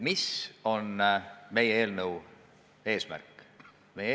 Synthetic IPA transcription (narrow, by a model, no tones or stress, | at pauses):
miso̞nme̞jee̞ːlnəw | e̞ːsmæ̰rkˑː | meje